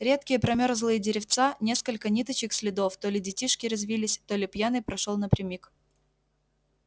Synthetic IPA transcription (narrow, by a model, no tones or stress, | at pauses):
ɾʲe̞t̪kʲɪjəpɾɐmʲo̞ɾzlˠɨjədʲɪɾʲɪft̪sanʲe̞skəlʲkənʲit̪ət͡ɕɪksʲlʲɪd̪oft̪olʲɪdʲɪtʲiʂkʲɪɾɐzvʲilʲɪsʲt̪o̞lʲɪpjanɨjpɾɐʂolˠnəpɾʲɪmʲik